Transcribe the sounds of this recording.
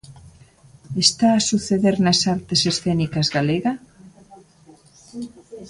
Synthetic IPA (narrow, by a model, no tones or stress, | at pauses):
est̪aːsuθeðeɾnɐsaɾt̪esesθɛnikazɣaleɣa